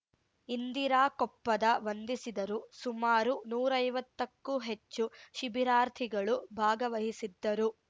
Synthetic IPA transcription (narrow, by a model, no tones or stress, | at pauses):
ind̪iɾaːkɔpːɐd̪ɐʋɐnd̪isid̪ɐɾusumaːɾunuːɾɐjʋɐt̪ːɐkːuɦe̞t͡ʃːuʃibʱiɾaːɾt̪ʰiɡɐɭubʱaːɡɐʋɐɦisid̪ːɐɾu